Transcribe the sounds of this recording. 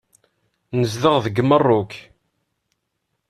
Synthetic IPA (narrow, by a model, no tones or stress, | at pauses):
nəzðəʁðəɡmərˤːʊk